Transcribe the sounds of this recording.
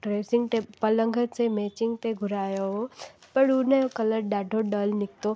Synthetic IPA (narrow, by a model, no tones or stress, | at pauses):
ʈɾeːsɪ̃ŋɡt̪epələ̃ŋɡʱət̪semeːt͡ʃɪŋɡ̚t̪eɡʱʊɾaːjoɦopəɽuneokɐləɾɖaːɖʱoɖəlnɪk̚t̪o